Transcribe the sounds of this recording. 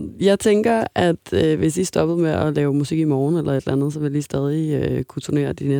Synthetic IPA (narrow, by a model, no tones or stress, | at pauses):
jɑ̈ɪt͡sʰeŋɡ̥ɐæd̥ʋe̝sdisd̥ɒ̽b̥ð̩ˠmeʔɒlɛːʊmusiɡ̥imɒːnelʔɐe̝d̥lʔænð̞̩ˠsɒ̽ʋe̝ldisd̥ɛːð̞ˠikʰut͡sʰune̝̰ːɐd̥ine